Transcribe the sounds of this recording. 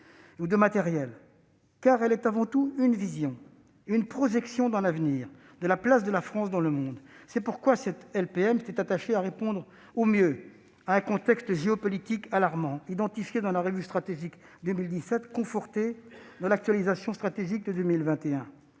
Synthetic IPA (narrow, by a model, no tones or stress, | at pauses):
ud̪əmat̪ɛʁjɛl | kaʁɛlɛt̪avɑ̃t̪uynvizjɔ̃ | ynpχɔʒɛksjɔ̃d̪ɑ̃lavniːʁ | d̪əlaplas̬d̪əlafχɑ̃sd̪ɑ̃ləmɔ̃d̪sɛpuʁkwasɛt̪ɛlpeɛmt̪ɛt̪at̪aʃeaʁepɔ̃d̪ʁ | omjø | aɛ̃kɔ̃t̪ɛkst̪ʒeɔpɔlit̪ikalaʁmɑ̃id̪ɑ̃t̪ifjed̪ɑ̃laʁəvyst̪χat̪eʒikd̪ømild̪isɛt̪kɔ̃fɔʁt̪ed̪ɑ̃lak̚t̪ɥalizasjɔ̃st̪χat̪eʒik̚d̪əd̪ømilvɛ̃t̪eɛ̃